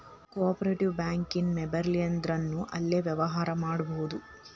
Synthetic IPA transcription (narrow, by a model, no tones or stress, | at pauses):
koːpɐɾeʈiʋbjaːŋkinmebɐɾlijɐnd̪ɾɐnːuʔɐlːeːʋjɐʋɐɦaːɾɐmaːɽuboɣud̪u